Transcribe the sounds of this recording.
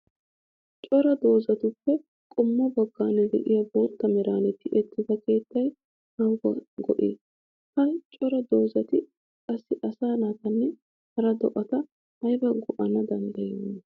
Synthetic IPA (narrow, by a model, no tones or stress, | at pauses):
t͡ʃʼɔɾɐd̪o̞ːzɐt̪ʊpːɛ | kʼʊmːɔbɐɡːaːnɛd̪ɛ̰ʔɪjɐboːt̪ːɐmɛɾaːnɛt̪ːɪʔɛt̪ːɪzɐke̞ːt̪ːɐj | hɐwɡɐɡɔ̰ʔi | hɐjt͡ʃʼɔɾɐd̪oːzɐt̪ɪ | kʼɐsːɪʔɐsaːnat̪ɐnːɛ | hɐɾɐd̪ɔʔɐt̪ɐ | hɐjbɐɡɔʔɐnɐd̪ɐnd̪ɐjɛmːɛ